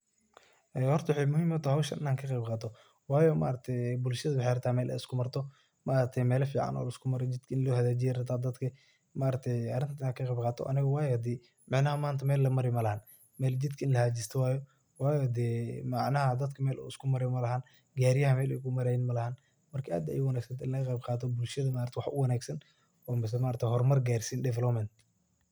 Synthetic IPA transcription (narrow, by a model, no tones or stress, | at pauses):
ʔɛːhɔrt̪ɐwħɑjmʊhiːmɐt̪ʰɐhɐwʃɐnʔɪ̰naːŋkʰɐqɛjbqɑːt̪ʰɔ | wɑːjɔma̰ːɾɐt̪ʰɛjbʊlʃɐðɐwħejɾɐt̪ʰaːmɛːlʔɛ̰jɪskʰʊmɐrt̪ʰɔ | maːɾɐt̪ʰɛjmɛːlɐfiːʕɑ̰nʔɔ̰ːlɐɪskʰʊmɐɾɛd͡ʒɪd̪kʰɐɪnlɔhɐðaːd͡ʒɪjɛɾɐt̪ʰaːd̪ɐd̪kʰɐ | maːɾɐt̪ʰɛjɐɾɪnt̪ʰnaːkʰɐqɛbqɑːt̪ʰɔ̰ʔɐ̰nɪɣɐwɑːjɔd̪ɛː | mɑʕnɐɦɐmaːnt̪ʰɐmɛːlːɐmɐɾɛmɐlɐhaːn | mɛːld͡ʒɪd̪kʰɐɪnlɐhɐd͡ʒɪst̪ʰɐwaːjɔ | waːjɔd̪ɛːmɑʕnɐɦɐd̪ɐd̪kʰɐmɛːlʔɔ̰ːɪskʰʊmɐɾɛjmɐlɐɦaːn | ɡaːɾɪjɐɦɐmɛːlɛjkʰʊmɐɾɛjnmɐlɐhaːn | mɐrkʰɐʔa̰ːd̪ɐ̰jʊwɑnaːɡsɐnt̪ʰɪnlɐɣɐqɛjbqɑːt̪ʰɔbʊlʃɐðɐmaːɾt̪ʰwɑħʔʊ̰wɑnaːɡsɐn | ɔːmɪs̬ɛmaːɾt̪ʰɛhɔrmɐrɡaːrsiːndɛvɛlɔpmɛnt̪